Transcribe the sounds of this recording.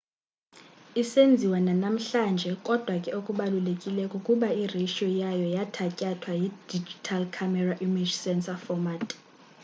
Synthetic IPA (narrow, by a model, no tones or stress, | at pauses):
isend͡zʱiwananam̩ɬand͡ʒʱɛkʼɔd̥ʱwakʼɛokʼuɓalulekʼilɛkʼɔkʼuɓaireʃiɔjajɔjatʰacʼatʰwajid̥id͡ʒitʰalkʰamɛraʔimi̥d͡ʒsɛnsafɔmatʼ